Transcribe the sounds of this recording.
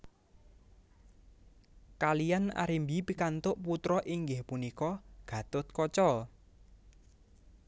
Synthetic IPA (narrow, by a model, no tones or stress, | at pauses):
kalijana̰ɾimbipikant̪ʊʔput̪ɾɔʔiŋɡɪhpunikɔɡ̥ä̤t̪ʊt̪̚kɔt͡ʃɔ